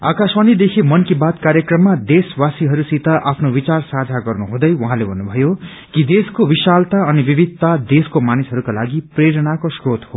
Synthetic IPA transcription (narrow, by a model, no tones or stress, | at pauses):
a̰kaswʌnid̪ekʰimʌnkibat̪kaɾjekrʌmːad̪eswasiɦʌɾusit̪ʌʔapʰnowit͡sarsad͡zʱaɡʌrnuɦũd̪ʌjwʌɦãlebʱʌnːubʱʌjo | kid̪eskowisalt̪aʌnibibʱid̪̚t̪ːad̪eskomanisɦʌɾukalaɡipreɾʌnakosrot̪ho